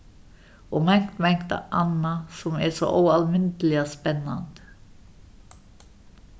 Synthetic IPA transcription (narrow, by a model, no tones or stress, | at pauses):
ʔoːmɛŋkt̪mɛŋkt̪ʔɑnɑsɔmɛːʂo̰ːʔuːɑlmɪnt̪l̩ɪaspɛnɑ̰nt̪